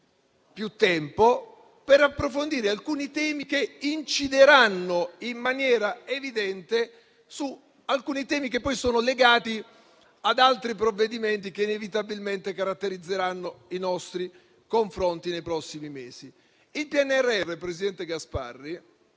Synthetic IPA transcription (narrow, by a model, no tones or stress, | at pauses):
pjut̪ːɛmpo | peɾapːɾofond̪iːɾealkuːnit̪ɛːmikeint͡ʃid̪eɾanːoimːanjɛːɾaevid̪ɛnt̪e | su | alkuːnit̪ɛːmik̬epːɔjsoːnoleɡaːt̪i | ad̪alt̪ɾipɾovːed̪iment̪ikeinevit̪abilment̪ekaɾat̪ːeɾid̪zːeɾanːoinɔst̪ɾi | koɱfɾont̪inejpɾɔsːimimeːsi | ilpiɛnːeɛrːeɛrːepɾesid̪ɛnt̪eɡaspa̰rːi